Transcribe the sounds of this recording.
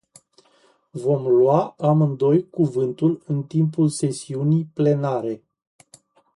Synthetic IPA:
vo̞mlwaamɨnd̪o̞jkuvɨnt̪ulɨnt̪impulse̞siunijple̞naɾe̞

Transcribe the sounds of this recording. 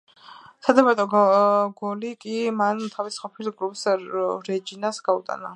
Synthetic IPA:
sad̪amaɾt̪ʼɔɡɔlikʼimant̪ʰavisqʼɔpʰilɡɾupʼsɾɛd͡ʒinasɡ̥aut̪ʼa̰na̰

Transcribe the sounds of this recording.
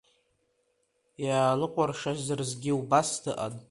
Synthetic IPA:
jaːlɨqʷʼarʂazɨrzɡʲɪubasdʰɨʔa̰n

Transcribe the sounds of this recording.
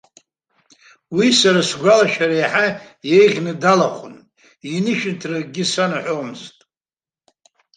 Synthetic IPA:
wisaɾasɡʷalaʃᶣaɾajħajejʁʲnɨdalaχʷʰʊ̰nʼ | inɨʃᶣɪntʰrarɡʲɪsanaħʷomɨztʼ

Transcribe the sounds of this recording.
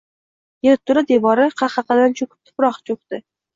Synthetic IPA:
jeɾt̪ʰːʊɾad̪evɒɾɪqʰɑχɑqɑd̪ant͡ʃʰokʲʰʊ̥p̚t̪ʰʊ̥pɾɒχt͡ʃʰoq̚t̪ɪ

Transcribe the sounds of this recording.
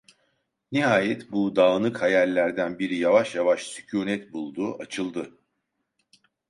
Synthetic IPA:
niɦaːjɛt̪bud̪aːnɯkhajælʲlːʲæɾd̪ænbiɾijavaʃjavaʃsy̥cʰuːnɛt̪bulˠd̪uːʔat͡ʃʰɯlˠd̪ɯ

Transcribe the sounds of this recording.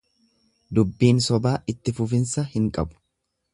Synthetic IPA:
d̪ʊbːiːnsɔbaːɪt̪ːɪfʊfɪnsɐhɪŋkʼɐbʊ̥

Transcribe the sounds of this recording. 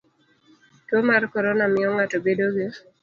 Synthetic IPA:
tomarkɔɾɔnamɪɔŋatobedoɡe

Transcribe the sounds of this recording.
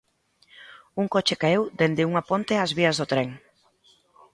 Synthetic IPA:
uŋkot͡ʃekaewd̪end̪ɪuŋapont̪eazβiɐzðot̪ɾeŋ

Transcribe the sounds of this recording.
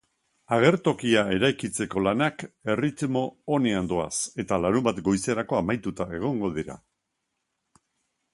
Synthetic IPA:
aɣ̞e̞ɾt̪o̞kiae̞ɾajkit͡se̞ko̞lanake̞rit̪mo̞ːneand̪o̞a̰se̞t̪alaɾubat̪ɡo̞jse̞ɾako̞amajt̪ut̪ae̞ɣ̞o̞ŋɡo̞ð̞iɾa̰

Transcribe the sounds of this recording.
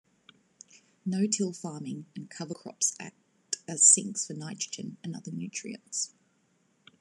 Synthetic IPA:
nəʊtʰɪlˠfɑːmɪ̃ŋə̃nkʰʌvəkʰɹ̥ɒ̰psæ̰k̚ | təz̥sɪ̃ŋksfənaɪt͡ʃɹ̥əd͡ʒə̰̃nə̃nʌ̰ðənjʉˑt͡ʃʰɹ̥ḭə̰̃nts

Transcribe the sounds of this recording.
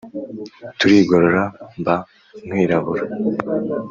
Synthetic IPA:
t̪uɾiɡoɾoɾaba | ŋiːɾaβuɾ

